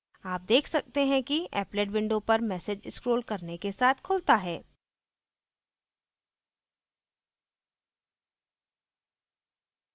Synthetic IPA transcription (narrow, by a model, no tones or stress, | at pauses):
aːp̚d̪eːkʰsɐk̚t̪eɦɛ̃kiɛ̰ːpleːɖʋɪ̃ɳɖopɐɾmɛːsed͡ʒɪskɾoːlkɐɾnekesaːt̪ʰkʰʊlt̪aɦɛː